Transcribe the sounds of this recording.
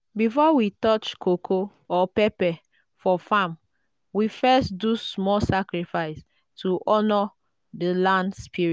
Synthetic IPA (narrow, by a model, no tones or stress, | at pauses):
bifɔwitɔt͡ʃkʰokʰo | ɔpɛpɛ | fɔfãm | wifɛstdusmɔsakɹifaɪs | tʰuʔɔnɔ | dəlãndspiɹi